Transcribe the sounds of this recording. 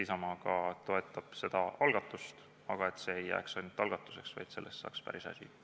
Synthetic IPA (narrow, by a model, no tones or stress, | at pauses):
isɑmɑɡ̥ɑt̪o̞e̞t̪ːˑɑb̥se̞d̪̥ɑɑlɡ̥ɑt̪ːˑust̪ | ɑɡ̥ɑe̞t̪se̞ːejːæ̰ːksɑnʲt̪ːˑɑlɡ̥ɑt̪ːˑu̥se̞ksvɑ̰jd̪̥selːest̪sɑ̰ːkspæ̰ɾisɑ̰sʲḭ